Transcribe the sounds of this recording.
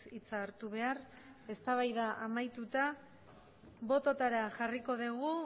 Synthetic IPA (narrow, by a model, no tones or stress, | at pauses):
it͡saːɾt̪uβ̞e̞ar | e̞st̪aβ̞ajðaʔamajt̪ut̪a | βo̞t̪o̞t̪aɾaʝariko̞ðeɣ̞u